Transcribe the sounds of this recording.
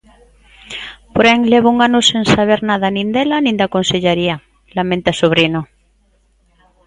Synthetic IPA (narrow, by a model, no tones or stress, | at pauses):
poɾeŋleβouŋanuseŋsaβ̞eɾnaðanĩnd̪elanĩnd̪akonseʎeɾia | lamẽnt̪asoβ̞ɾino